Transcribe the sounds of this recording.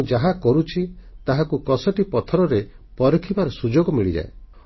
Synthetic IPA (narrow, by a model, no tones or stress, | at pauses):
d͡ʒaɦakɔɾut͡ʃʰit̪aɦakukɔsɔʈipɔt̪ʰɔɾɔɾe | pɔɾɔkʰibaɾɔsud͡ʒoɡɔmiɭid͡ʒa̰e